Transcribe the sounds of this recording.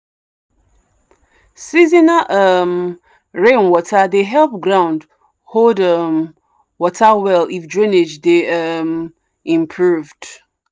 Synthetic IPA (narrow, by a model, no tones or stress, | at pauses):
sizinaʔəm | ɹẽnwɔtʰadeɦɛlˠp̚ɡɹãʊ̃nd | holdəm | wɔtʰawɛlifdɹĩned͡ʒdeʌm | ĩmpʰɹuvd̥